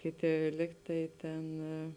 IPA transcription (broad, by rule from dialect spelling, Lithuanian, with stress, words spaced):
ˈkʲeːˌtʲeː ˈlʲiːk tɐɪ ˈtʲeːn